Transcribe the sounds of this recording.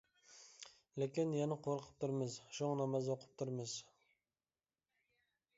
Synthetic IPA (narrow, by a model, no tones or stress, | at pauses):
lekʲinjɛnɪqʰoɾəqʰə̥p̚t̪ʰuɾmɪzʃoŋnɑmɑzoqʰʊ̥p̚t̪ʰuɾmɨz̥